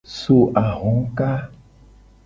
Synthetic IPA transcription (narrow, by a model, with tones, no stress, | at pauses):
so˦ʔa˨ɣɔ̃˨˦ŋ˦ka˦